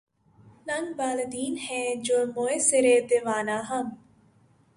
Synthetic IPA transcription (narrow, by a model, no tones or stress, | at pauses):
nɐŋɡbaːled̪iːnhɛ̃ːd͡ʒoːmoeseɾeːd̪eʋaːnaːɦɐm